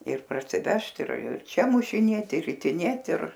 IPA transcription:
ɪr pɐrʲsʲɪˈʋʲɛʃt ɪr ɪr t͡ʃʲɛ mʊʃʲɪˈnʲeːtʲɪ ɪr rʲɪtʲɪˈnʲeːt ɪr

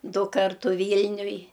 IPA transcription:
ˈdʊ ˈkɐrtʊ ˈʋʲiːlʲnʲʊj

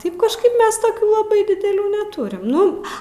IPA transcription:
ˈtɐɪp kɐʃˈkɐɪp ˈmʲɛs toːˈkʲuː lˠɐˈbɐɪ dʲɪdʲɛˈlʲuː nʲɛˈtʊrʲɪm ˈnʊ

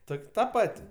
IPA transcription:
ˈtoːkʲ ˈtɐ ˈpɐtʲ

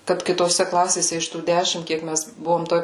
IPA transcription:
kɐt kʲɪtoːˈsʲɛ ˈklˠɑːsʲeːsʲɛ ɪʃ tuː ˈdʲæːʃʲɪm ˈkʲiɛk ˈmʲɛs ˈbʊʋoːm ˈtoːj

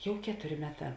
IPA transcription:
ˈjɛʊ ˈkʲæːtʊˌrʲɪ ˈmʲæːˌtɑː

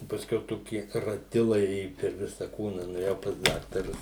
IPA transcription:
ɪ pɐsʲˈkʲɛʊ ˈtoːkʲɪ rɐˈtʲɪlˠɐɪ ˈeːjʊ pʲɛr ˈʋʲɪsɐ ˈkuːnɐ nʊeːˈjɛʊ pɐs ˈdɑːktɐrʊs

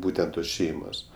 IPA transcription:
ˈbuːtʲɛnt toːs ˈʃʲɛɪmoːs

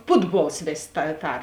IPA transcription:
ˈpʊdˌbuɔlˠs ˈʋʲeːsʲ tɐ ˈtɐr

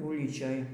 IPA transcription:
ˈʊlʲiːt͡ʃʲoːj

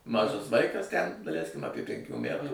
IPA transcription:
ˈmɑːʒɐs ˈʋɐɪkɐs tʲɛn dɐˈlʲɛɪsʲkʲɪm ˈɑːpʲiɛ pʲɛŋʲˈkʲuː ˈmʲætuː

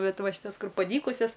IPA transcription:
ˈbʲɛt ˈʋɐ ʃʲɪˈtɐs ˈkʊr pɐˈdʲiːkʊsʲɛs

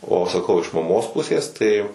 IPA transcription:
oː sɐˈkɐʊ ɪʃ mɐˈmoːs ˈpʊsʲeːs tɐɪ

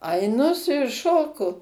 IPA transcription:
ɐɪˈnʊ sʊ juɔ ˈʃoːkʊ

